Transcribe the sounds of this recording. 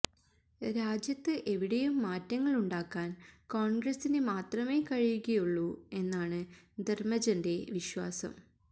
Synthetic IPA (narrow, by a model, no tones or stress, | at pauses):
ɾaːd͡ʑjɐt̪ːɨʔe̞ʋiɽɐjumːaːtːɐŋːɐɭuɳɖaːkːaːnkoːɳɡrɐsinɨmaːt̪rɐme̞ːkɐɻijuɣɐjuɭːue̞nːaːɳɨd̪ermɐd͡ʑɐnde̞ʋiɕwa̰ːsɐ̰m